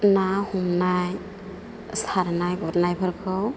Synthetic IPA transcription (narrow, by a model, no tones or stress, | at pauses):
nahumnaj | saɾnajbɔɾnajpʰaɾkʰɯw